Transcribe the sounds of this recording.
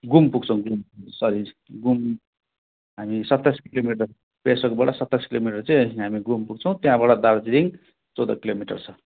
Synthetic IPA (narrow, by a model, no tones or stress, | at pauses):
ɡumpuɡt͡sʰʌw̃ɡumsʌɾi | ɡum | ɦamisʌt̪ːaskilomiʈʌr | pesʌkbaʈʌsʌt̪ːaskilomiʈʌrt͡sajɦamiɡumpuɡ̚t͡sʰʌw̃t̪jãbaɽʌd̪aɾd͡ziɾiŋ | t͡sʌwd̪ʌ̰kilomiʈʌ̰rt͡sʰʌ